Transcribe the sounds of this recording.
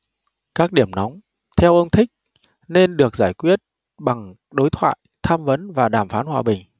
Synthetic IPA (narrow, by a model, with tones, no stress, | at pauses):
kaː˦˥k̚ɗi˧˩əmnɔ˨˦wŋ͡m | t̪ʰɛ˧wʔə˧wŋ͡mt̪ʰï˦˥k̟̚ | ne˧nɗɨ˨˩ək̚z̥aː˧˩jkwi˦˥ət̚ | ɓa˨˩ŋ | ɗo˨˦jt̪ʰwa̰ː˧˨jt̪ʰaː˧mvə˨˦nvaː˨˩ɗaː˧˩mfaː˨˦nhwaː˨˩ɓï˨˩ŋ̟